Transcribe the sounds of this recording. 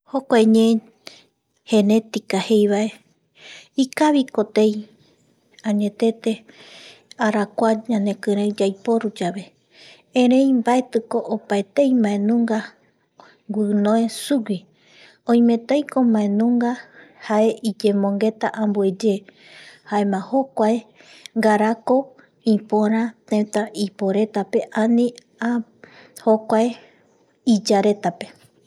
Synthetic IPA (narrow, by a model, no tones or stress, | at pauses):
hokʷaeɲẽ | he̞ne̞t̪ikahe̞jβae̞ | ikaβiko̞t̪ej | ãɲẽ̞t̪e̞t̪e̞ | aɾakʷaɲãne̞kɨɾed͡ʒajpo̞ɾud͡ʒaβe̞ | ẽɾ̃ẽ̞jmbae̞t̪ɨko̞ʔopaet̪ejmãẽnũŋɡa | ɡʷɨnõesuwi | õj̃mẽt̪ajkomãẽnũŋɡahaʔe̞ʔid͡ʒẽmõŋɡe̞t̪aʔãmbue̞d͡ʒe | hae̞mãho̞kʷae | ŋɡaɾako̞ | ĩpõɾ̃ãt̪ẽt̪ãʔipoɾe̞t̪ape̞ʔãnĩ | ahokʷae | id͡ʒaɾe̞t̪ape̞